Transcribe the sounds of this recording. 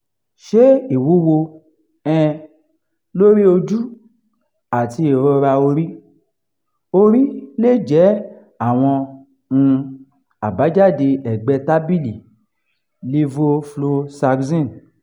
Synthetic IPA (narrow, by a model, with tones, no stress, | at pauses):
ʃe˦i˨wu˨˦wo˧ | ɛ̃˧ | lo˦ɾi˦o˧d͡ʒu˦ | a˨ti˧e˨ɾɔ˧ɾa˧o˧ɾi˦ | o˧ɾi˦le˦˨d͡ʒɛ˨˦ | a˦˨w̃ɔ̃˧ | nũ˧ | a˨ba˨˦d͡ʒa˦˨de˧ɛ˨ɡ͡bɛ˧ta˦bi˦˨li˨ | le˦vo˧flo˧sa˧ɡzĩ˦˨